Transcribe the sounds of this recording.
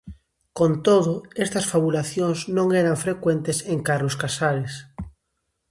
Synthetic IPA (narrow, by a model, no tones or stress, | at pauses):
kont̪oðʊest̪ɐsfaβulaθjoŋznõŋeɾaɱfɾekwent̪eseŋkaɾloskasaɾes